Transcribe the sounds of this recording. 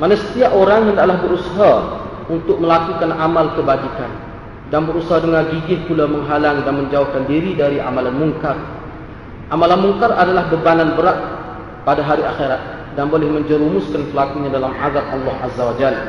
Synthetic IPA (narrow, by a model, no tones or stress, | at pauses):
manasə̥t̪iaʔoɾaŋəndaʔlahbəɾusaɦa | unt̪ʊk̚məlakukanʔamalkəbad͡ʒikan | danbəɾusaɦadəŋarɡiɡɪhpulaməŋɦalaŋdanməɲd͡ʒauhkandiɾidaɾiʔa̰malanmuŋkar | ʔamalanmuŋkaradalahbəbananbəɾat̪̚ | padaɦaɾiaxeɾat̪̚ | danbolɛhməɲd͡ʒəɾumʊskanpəlakuɲadalamʔaɡak̪̚ɑlːɑhazːawad͡ʒal